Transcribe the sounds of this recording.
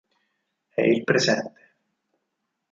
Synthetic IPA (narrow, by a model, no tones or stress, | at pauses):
ɛ̰ilpɾesɛnt̪e̥